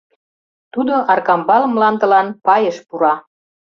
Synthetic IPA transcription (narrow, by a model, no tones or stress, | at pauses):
t̪ud̪oʔɑrkɑmbɑləmlɑnd̪ə̆lɑnpɑjəʃpuɾɑ